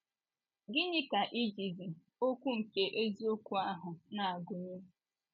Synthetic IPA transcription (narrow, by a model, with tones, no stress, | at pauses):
ɡɪ˦ɲɪ˦ka˨ʔi˦d͡ʒi˨zi˨ | o˦kʷu˦ŋ̩˨ke˦ʔe˦zi˦o˦kʷu˦a˦ɦʊ˨na˨a˨ɡʊ˨ɲe˦